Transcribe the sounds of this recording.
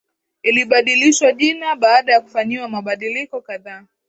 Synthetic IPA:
iliɓaɗiliʃwaʄinaɓaːɗajaku̥faɲiwamaɓaɗilikɔkaðaː

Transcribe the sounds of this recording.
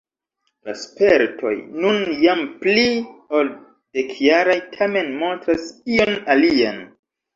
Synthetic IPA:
la̰spe̞ɾtʰo̞̰jnunjamplio̞l | d̥e̞kʰjaɾajtʰame̞nmo̞ntɾasio̞nalian

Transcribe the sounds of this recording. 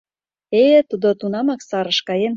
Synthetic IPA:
et̪ud̪ot̪unɑmɑksɑɾə̆ʃkɑjen

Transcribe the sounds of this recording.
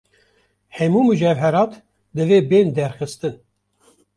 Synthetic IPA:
hɛmuːmud͡ʒɛvɦɛɾɑːt̪ | d̪ɨveːbeːnd̪ɛɾxɨst̪ɨn

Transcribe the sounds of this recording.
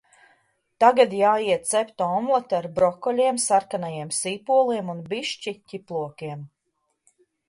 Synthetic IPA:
t̪aɡad̪jaːiɛt̪̚t̪sɛpʲt̪ɔmɔt̪aɾbɾɔkɔlʲiɛmsaɾkanajiɛmsiːpuɔlˠiɛmunbiʃt͡ʃicʲiplˠuɔkiɛm

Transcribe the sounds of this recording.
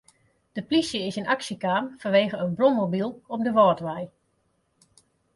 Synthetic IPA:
d̥əplisjəɪsɪnaksəkaːmfanʋeːɣəənbrɔmmobilˠɔp̚dəʋɔːtʋɛj

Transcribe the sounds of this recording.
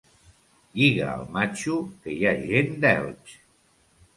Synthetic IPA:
ʎiɣa̰ə̰lˠmat͡ʃukejaʒend̪ɛ̰lt͡ʃ

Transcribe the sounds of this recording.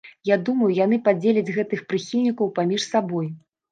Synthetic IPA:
jad̪umɐjujan̪ɨpad͡zʲelʲɛd͡zʲɣɛt̪ɨxpɾɨxʲilʲnʲikɐwpamʲiʂsabɔj

